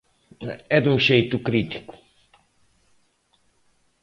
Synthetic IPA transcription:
ɛd̪ũʒejt̪ʊkɾit̪i̥ku̥

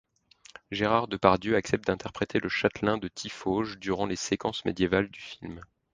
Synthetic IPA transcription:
ʒeʁaʁd̪əpaʁd̪jøaksɛp̚t̪̚d̪ɛ̃t̪ɛʁpχet̪ʰeləʃat̪lɛ̃d̪ət̪ʰifoʒd̪yʁɑ̃lesekɑ̃smḛd̪jevald̪yfilm

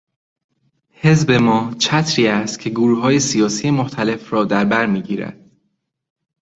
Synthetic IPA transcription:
he̞zbe̞mɒːt͡ʃʰæt̪ʰɾiːæst̪̚cʰe̞ɡuɾuːɦɒːje̞sijɒːsiːjemoxt̪ʰæle̞fɾɒːd̪æɾbæɾmiːɟiːɾæ̰d̪̥

